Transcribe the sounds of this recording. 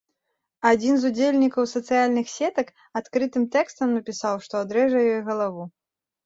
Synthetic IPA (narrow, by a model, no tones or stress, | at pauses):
ad͡zʲinzud͡zʲelʲnʲikɐwsɐt̪sɨjalʲnɨxsʲɛt̪ɐk | at̪kɾɨt̪ɨmt̪ɛkst̪ɐmnɐpʲisawʂt̪ɔad̪ɾɛʐɐjɔjɣɐlˠavu